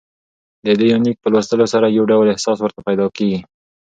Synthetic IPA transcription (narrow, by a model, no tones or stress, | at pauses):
d̪əd̪əjuwnik̚pəlwast̪əlosaɾajawɖawlɪhsɑswəɾt̪apajd̪ɑkeɡi